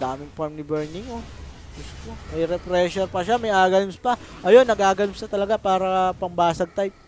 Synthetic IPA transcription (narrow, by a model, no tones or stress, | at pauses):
d̪aːmɪŋpɐɹmnɪbɛɹnɪŋo | ɡʊst̪omɐjɾɛpɾɛːʃɛɾpɐʃamɐjʔaːɡɐnɪmspɐʔɐjonːɐɡaːɡɐlɪmsɐt̪ɐlɐɡapaːɾɐpɐŋbaːsɐɡ̚t̪ajp̚